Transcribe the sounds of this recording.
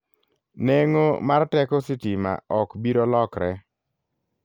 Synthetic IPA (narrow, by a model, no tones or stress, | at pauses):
neŋomartɛkɔsitima̰ɔkbiɾolɔkɾɛ